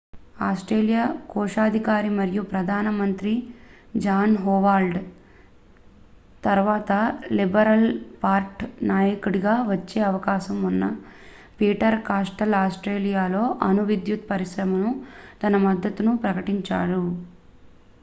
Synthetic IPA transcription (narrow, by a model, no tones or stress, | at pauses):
aːsʈɾeːlijaːkɔːʂaːd̪ʱikaːɾimɐɾijupɾɐd̪ʱaːnɐmɐnt̪ɾi | d͡ʒaːnɦɔːʋaːlɖ | t̪ɐɾʋaːt̪ɐlibɐɾɐlpaːɾʈnaːjɐkuɽiɡaːʋɐt͡ʃːeːɐʋɐkaːʃɐmunːɐ | piːʈɐɾkaːsʈɐlaːsʈɾeːlijaːlo̞ːʔɐnuʋid̪jut̪̚pɐɾiʃɾɐmɐnut̪ɐnɐmɐd̪ːɐt̪unupɾɐkɐʈiɲt͡ʃa̰ːɾu